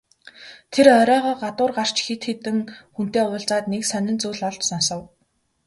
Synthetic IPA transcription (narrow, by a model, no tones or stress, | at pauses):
t̪ʰerœɾʲœːʁɔːɢat̪ʊːrɢar̥t͡ɕxit̪xet̪ɘ̆ŋxun̥t̪eːʊːɮt͡saːt̪neksœnɪ̆nt͡suːɮɔɮt͡ɕsɔnsɞ̆w